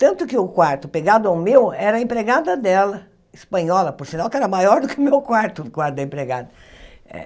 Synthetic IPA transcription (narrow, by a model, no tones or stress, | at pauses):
t̪ɐ̃nt̪ʊkɪʊkwaɾt̪ʊpeɡad̪ʊawmewɛɾɐẽmpɾeɡad̪ɐd̪ɛlɐ | ɪspɐ̃ɲɔlɐpʊɾsinawkɛɾɐmajɔɾd̪ʊkɪʊmewkwaɾt̪ʊd̪ʊkwaɾt̪ʊd̪ɐẽpɾeɡad̪ɐɛ̰